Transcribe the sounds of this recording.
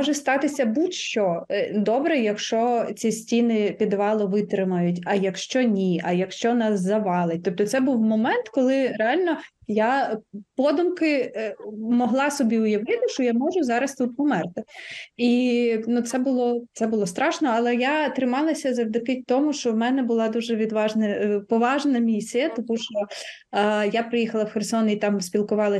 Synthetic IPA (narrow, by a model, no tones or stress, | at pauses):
mɔʒɛst̪ɑt̪ɪsʲɐbut̪ʲʃt͡ʃɔd̪ɔbɾɛjɐkʃt͡ʃɔt͡sʲisʲtʲinɪpʲid̪ʋɑlˠɔʋɪt̪ɾɪmɐjʊtʲɐjɐkʃt͡ʃɔnʲiɐjɐkʃt͡ʃɔnɑszɐʋɑlˠɪt̚ʲt̪ɔp̚t̪ɔt̪sɛbuwmɔmɛnt̪kɔlˠɪɾeɑlʲnɔ | japɔd̪ʊmkɪ | mɔɦlˠɑsɔbʲiʊjɐʋɪt̪ɪʃt͡ʃɔjamɔʒʊzɑɾɐst̪ut̪̚pɔmɛrt̪ɪinut̪sɛbʊlˠɔt̪sɛbʊlˠɔst̪ɾɑʃnɔɐlˠɛjat̪ɾɪmɑlˠɐsʲɐzɐwd̪ɪkɪt̚ʲt̪ɔmʊʃt͡ʃɔwmɛnɛbʊlˠɑd̪uʒɛʋʲid̪ʋɑʒnɐpɔʋɑʒnɐmʲisʲijɐt̪ɔmuʃt͡ʃɔ | japɾɪjixɐlˠɐwxersɔnit̪ɑmsʲpʲilˠkʊʋɑlˠɐ